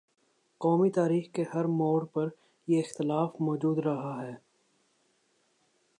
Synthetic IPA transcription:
qɔːmit̪aːɾiːxkehɐɾmɔːɾpɐɾ | jeɪxt̪ɪlaːfmɔːd͡ʒuːd̪ɾɐɦaɦɛː

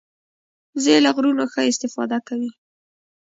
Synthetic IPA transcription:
zelaɣɾunoxəɪst̪ɪfɑ̰d̪akawi

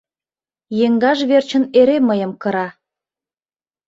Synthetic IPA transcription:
jeŋɡɑʒβert͡ɕə̆neɾeməjə̆mkə̆ɾɑ

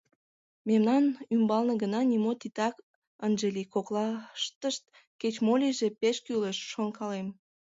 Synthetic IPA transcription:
memnɑnymbɑlnə̆ɡənɑnʲimot̪it̪ɑk | ənʒelʲikoklɑʃt̪əʃt̪̚ | ket͡ɕmolʲiʒepeʃkyləʃːonkɑlem

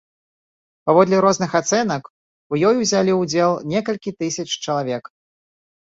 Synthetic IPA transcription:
pavɔd̪lʲiɾɔznɨxat̪sɛnɐk | ujɔjwzʲalʲiwd͡zʲɛlˠnʲɛkɐlʲkʲit̪ɨsʲɐt͡ʂt͡ʃɐlˠavʲɛk

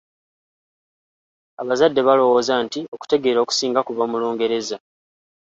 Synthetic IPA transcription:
aβazadːe̞βalo̞wo̞ːzantio̞ku̥te̞ɡe̞ːɾo̞ːku̥siːŋɡakuβamulo̞ːŋɡe̞ɾe̞za

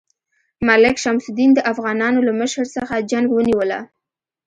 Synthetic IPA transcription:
malɪkʃamsʊd̪ind̪əʔafɣɑnɑnolaməʃəɾsəxad͡ʒaŋɡwəniwəla̰

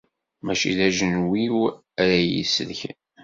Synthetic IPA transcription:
mæʃḭðæʒənwiw | æɾæjḭsəðçən

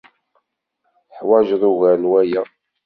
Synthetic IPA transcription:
θħwæʒðˤuɣælwæjæ

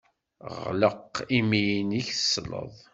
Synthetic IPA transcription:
ʁʁlə̰qːimijiniçə̥sːlə̰ðˤ

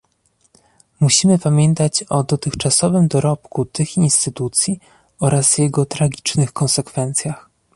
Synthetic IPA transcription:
muɕimɘpamʲjɛnt̪at͡ɕɔd̪ɔt̪ɘxt͡ʂasɔvɘmd̪ɔɾɔpkut̪ɘxinst̪ɘt̪ut̪sʲji | ɔɾazvjɛɡɔt̪ɾaɡʲi̥t͡ʂnɘxkɔnsɛkfɛnt̪sʲjax

